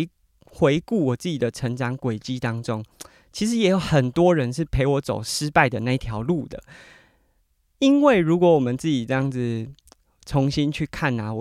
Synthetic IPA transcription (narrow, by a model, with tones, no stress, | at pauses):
xwe˧˦˥ɪku˥˩wɔ˨˩t͡sɹ̩˥˩t͡ɕi˨˩d̪ə˦ʈ͡ʂʰə˧˥ŋʈ͡ʂɑ˨˥ŋkwe˨˩ɪt͡ɕi˥t̪ɑ˥ŋʈ͡ʂo˦ŋ | t͡ɕʰi˧˥ʂ̬ɻ̩˧˥jɛ˧˥jo˨˧˩ʊxə˨˩nt̪wɔ˦ɻə˧˦nʂ̬ɻ̩˥˩pʰe˧˥ɪwɔ˧˥t͡so̰˨˩ʊʂɻ̩˥pa˥˩ɪd̪ə˩˨na˥˧i˦t̪ʰjɑ˧˥ʊlu˥˨d̪ə̰˩ | i˦˥nwe˥˩ɪɻu˧˦˥kwɔ˧˥wɔ˨˩mə˨nt͡sɹ̩˥˩t͡ɕi˨˩ʈ͡ʂɤ˥˧jɑ˥˩ŋd͡zɹ̩˨ | t͡sʰo˧˦ŋɕi˦nt͡ɕʰy˥˧kʰa˥˨˩na˨